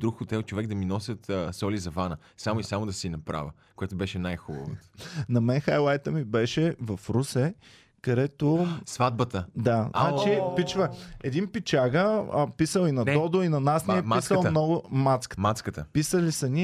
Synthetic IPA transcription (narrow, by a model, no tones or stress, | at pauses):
d̪ɾukxot̪ɛlˠt͡ʃovɛɡ̚d̪ɐminɔsʲət̪ːsɔlizɐvanə | samoisamod̪ɐsinɐpɾa̰və | koɛt̪obɛʃɛnajxubə̰vo̰t̪nɐmɛnxajlˠajt̪əmibɛʃɛvɐfɾusɛ | kɐd̪ɛt̪osvad̪̚bət̪əd̪aznat͡ʃipit͡ʃvəɛd̪inpit͡ʃaɡəpisəlˠinɐd̪ɔd̪oinɐnasnɛɛmisəlˠmnɔɡʊmat̪skə̥mat̪skət̪əpisəlisɐni